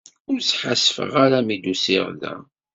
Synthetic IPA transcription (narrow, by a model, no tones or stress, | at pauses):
ʊɾsħasfə̰ʁaɾæmid̪usiʁlæ̰